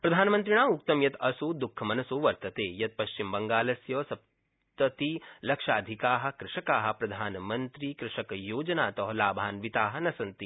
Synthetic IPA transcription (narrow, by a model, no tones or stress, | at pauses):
pɾɐd̪ʱaːnɐmɐnt̪ɾiɳaːuk̚t̪ɐmjɐt̪ɐsud̪ukʰːɐmɐnɐsuːʋɐɾt̪ɐt̪eːjɐt̪̚pɐʃt͡ʃimbɐŋɡaːlɐsjɐːsɐp̚ | t̪ɐt̪ilɐkʂaːd̪ʱikaːɦɐ̆kɾɪʂɐkaːɦɐ̆pɾɐd̪ʱaːnɐmɐnt̪ɾikɾɪʂɐkɐjoːd͡ʒɐnaːt̪ɐɦɐlaːbʱaːnʋit̪aːɦɐ̆nɐsɐnt̪i